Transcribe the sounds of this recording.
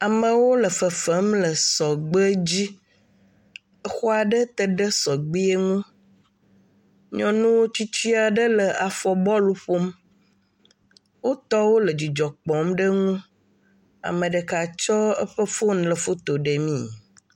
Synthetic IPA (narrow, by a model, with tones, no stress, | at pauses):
a˨mə̃˨wo˦lə˨fə˨fə˨˦mlə˨sɔ˨ɡ͡bə˦d͡ʑi˦ | ə˦xɔ˦a˨ɖə˦t̪ə˨ɖə˦sɔ˨ɡ͡bi˦e˦ŋũ˦ | ɲɔ̃˨nũ˦wo˦t͡ɕi˦t͡ɕi˦a˨ɖə˦lə˨ʔa˨fɔ˨bɔ˦lu˦ɸo˦m | wo˦t̪ɔ˦wo˦lə˨d͡ʑi˨d͡ʒɔ˨k͡pɔ˨mɖə˦ŋũ˦ | a̰˨mə̃˨ɖə˨ka˨t͡ʃɔ˦ə̰˦ɸə˦fo˦n˦lə˨fo˦t̪o˨ɖə˨mĩ˦